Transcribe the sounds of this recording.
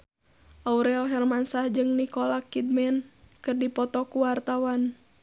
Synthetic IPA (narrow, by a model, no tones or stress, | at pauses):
ʔauɾɛlɦɛrmansahd͡ʒɨŋnikɔlakid̪̚mɛnkɨrdipɔt̪ɔkuwart̪awan